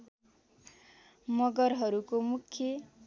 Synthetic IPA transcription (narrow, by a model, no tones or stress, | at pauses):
mʌɡʌrɦʌɾukomukʰːjʌ